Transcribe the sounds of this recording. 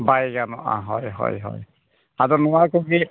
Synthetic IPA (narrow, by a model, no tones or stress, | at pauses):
bajɡanɔʔa̰ɦɔjɦɔ̰jɦɔ̰j | azɔnɔwakoɡi